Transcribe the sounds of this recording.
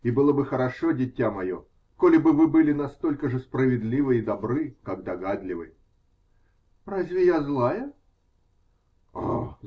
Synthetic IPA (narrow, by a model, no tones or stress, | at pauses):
ibɨlˠəbɨxəɾɐʂodʲɪtʲːamɐjo̞̰ | kolʲɪbɨvɨbɨlʲɪnɐst̪o̞lʲkəʐɨspɾəvʲɪd̪ʲlʲivɨid̪ɐbɾɨkaɡd̪ɐɡad̪lʲɪvɨ̰ | razʲvʲɪjazlˠajə | o